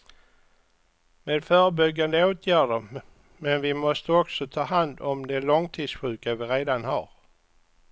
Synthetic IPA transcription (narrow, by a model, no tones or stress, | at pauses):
meːd̪fœːɾəbʏɡːand̪əoːt̪ʰjæːɖəɾ | mɛnvɪmɔst̪əɔksɔt̪ʰɑːɦand̪ɔmd̪ɛɭɔŋt̪ʰiːd̪sɧʉ̟ːkavɪɾeːd̪anha̰ɾ